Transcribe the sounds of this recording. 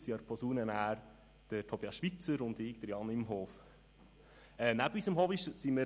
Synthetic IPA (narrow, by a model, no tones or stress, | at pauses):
siɑɾpʰɔsuːnənæːɾ | d̥ətʰobiːɑsʃʋit͡səɾʊndɪk̚d̥əɾjɑnɪmɦoːf | ɛnæbyːsəmhoːbiʃsimə